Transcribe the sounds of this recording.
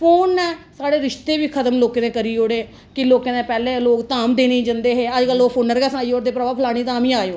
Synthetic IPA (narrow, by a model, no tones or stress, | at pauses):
pʰoːnːɛːsaːɽeːɾɪʃt̪eːʋiːkʰət̪əmloːkẽːnẽːkəɾiːoːɽeː | kɪloːkeːnẽːpɛːlẽːloːkt̪aːmd̪eːnĩːd͡ʒənd̪eːɦeːəd͡ʒkəloːpʰoːnəɾkɛːsaːiːoːɾd̪eːpɾəʋaːpʰlaːɽ̃iːt̪ãːmĩːaːjoː